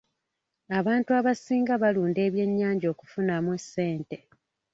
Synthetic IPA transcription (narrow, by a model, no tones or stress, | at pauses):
aβaːntuaβasiːŋɡaβaluːnde̞ːβje̞ɲːaːɲɟo̞ːku̥funamwesːe̞ːnte̞